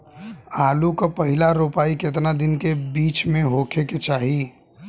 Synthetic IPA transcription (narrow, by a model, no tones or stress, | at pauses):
aːlukapəɦɪlaɾupaːiket̪̬nad̪ɪnkebiːt͡ʃmẽɦoːkʰeket͡ʃaːɦi